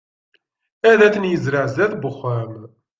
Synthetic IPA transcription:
æðæθənjəzɾəʕzæðbəχːæm

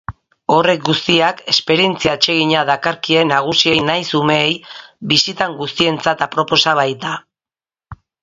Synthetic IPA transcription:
o̞re̞k̚ɡust̪iake̞spe̞ɾie̞nt͡siaet͡ʃe̞ɣiɲaðakaɾkie̞naɣ̞usie̞jnajsume̞ːjβisit̪aŋɡust̪ie̞nt͡sat̪apɾo̞po̞saβajt̪a

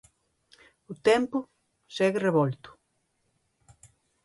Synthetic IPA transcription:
ʊt̪ɛmpʊ | sɛɣreβɔlt̪ʊ̥

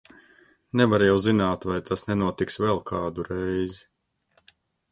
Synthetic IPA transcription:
nɛvaɾjɛwzinaːt̪vajt̪ʰasnɛnuɔt̪iksvɛlˠkʰaːd̪uɾɛjzi

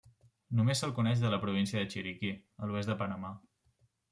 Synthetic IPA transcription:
numesəlˠkunɛʃðələpɾuβ̞insiəðət͡ʃiɾikiəluɛzd̪əpənəma

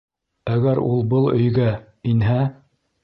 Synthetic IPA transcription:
æɡæɾṵlˠbɤlˠɵ̰̆jɡæ | inɦæ

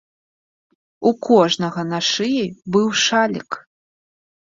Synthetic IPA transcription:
ukʰɔʐnɐɣɐnaʂɨjɛbɨwʂalʲḭk

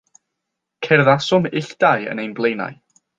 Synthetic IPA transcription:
kʰɛrðasʊmɪɬd̥ajə̰nejnblˠejna̰j

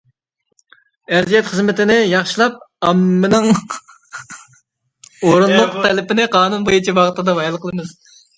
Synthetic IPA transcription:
æɾzijɛt̪χəzmɪt̪ɪnɪjɑχʃilˠɑp̚ɑmːɨnɪŋ | oɾunlˠʊqt̪ʰɛlɪpɪnɪqʰɑːnunbojut͡ʃʰibɑʁt̪ɨd̪ɑvɑjlˠqəlˠɨmɨz̥

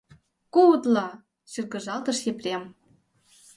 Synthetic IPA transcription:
kout̪lɑ | ɕyrɣə̆ʒɑlt̪ɤ̆ʃjĕprʲem

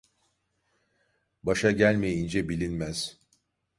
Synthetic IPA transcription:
baʃaɟælʲmejind͡ʒɛbilʲinmæz̥

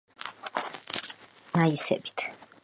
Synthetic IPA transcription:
naisɛ̰bi̥t̪ʰ

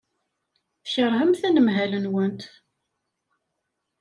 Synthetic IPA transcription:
θçəɾˤɦəmθænəmɦælənwənt̪

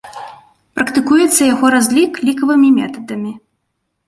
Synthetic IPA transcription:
pɾɐkt̪ɨkujɛt̪sːɐjaɣɔɾazʲlʲiklʲikɐvɨmʲimʲɛ̰t̪ɐd̪ɐmʲi

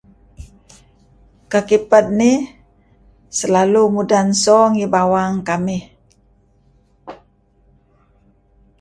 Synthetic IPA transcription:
kakipət̪̚ni | səlalumudansɔŋibawaŋkamɪh

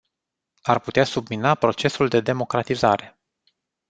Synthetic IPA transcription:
arput̪easubminapɾo̞t͡ʃe̞suld̪e̞d̪e̞mo̞kɾat̪izaɾe̞

